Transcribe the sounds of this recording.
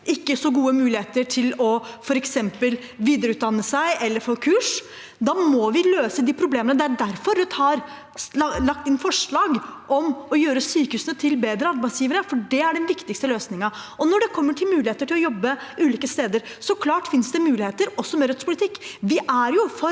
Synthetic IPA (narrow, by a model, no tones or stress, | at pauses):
ʔɪkːəsɔɡuːəmʉːlɪheːt̪əʈʰɪlɔfɔɾɛksɛmpəl | ʋiːd̪əɾʉːt̪̚d̪ɑnːəsæɪɛlːəɾfoːkʰʉːʂ | d̪ɑːmɔʋɪløːsəd̪ipʰɾʊbleːmənəd̪ɛæɖæɾfɔɾʋɛt̪ʰɑːɾ | lɑk̚t̪ɪnfɔʂɭɑːɡʔɔmɔjøːɾəsyːkəʉːsənət̪ʰɪlbeːd̪ɾəɑɾbæɪtsjiːʋəɾəfɔɖɛæɖɛnʋɪkt̪ɪkst̪əløːsnɪŋəɔnɔɖɛkʰɔmːəʈʰɪlmʉːlɪheːt̪əʈʰɪlɔjɔbːəʉːliːkəst̪eːd̪əɾ | sɔkʰlɑːʈfɪnsd̪ɛmʉːlɪheːt̪əɾɔsːɔmɛɾœt̪spʰʊlɪt̪ʰɪkːʋɪʔæɾjʊfɔɾ